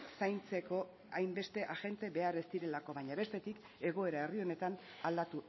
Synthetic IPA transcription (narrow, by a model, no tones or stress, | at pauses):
sajnt͡se̞ko̞ | ajmbe̞st̪e̞ʔaɣe̞nt̪e̞βe̞aɾe̞st̪iɾe̞lako̞βajɲaβe̞st̪e̞t̪ik | e̞ɣ̞o̞e̞ɾae̞rio̞ne̞t̪an | ald̪at̪u